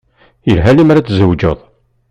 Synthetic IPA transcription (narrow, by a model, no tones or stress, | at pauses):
jəlɦælimæɾat͡sːzəwd͡ʒə̰ðˤ